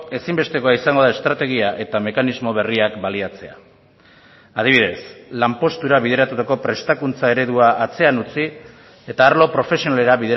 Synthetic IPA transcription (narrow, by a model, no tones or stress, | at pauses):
e̞simbe̞st̪e̞koaisaŋɡo̞ð̞ae̞st̪ɾat̪e̞ɣ̞iaʔe̞t̪ame̞kanizmo̞β̞e̞riakbaliat͡se̞a̰ | að̞iβiðe̞slampo̞st̪uɾaβ̞iðe̞ɾat̪ut̪ako̞pɾe̞st̪akunt͡sae̞ɾe̞ð̞uaːt͡se̞anut͡si | e̞t̪aːɾlo̞pɾo̞fe̞sio̞nale̞ɾaβiðe